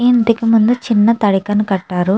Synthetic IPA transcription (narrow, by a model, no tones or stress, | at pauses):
int̪ikimund̪ut͡ʃinːɐt̪ɐɽikɐnukɐʈːaːɾu